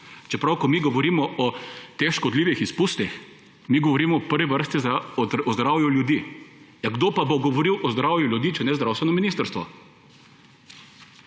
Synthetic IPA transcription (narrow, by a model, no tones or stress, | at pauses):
t͡ʃɛpɾawkɔmiɡɔʋɔɾiːmɔʔɔt̪exʃkɔd̪liːʋixispust̪ix | miɡɔʋɔɾiːmɔːpəɾʋɛʋəɾst̪iɔɔzd̪ɾaːwjuljud̪i | aɡd̪oːpaboɡɔʋɔɾiwʔɔzd̪ɾawjuljud̪iːt͡ʃɛnɛzd̪ɾawst̪ʋɛnɔminist̪əɾst̪ʋɔ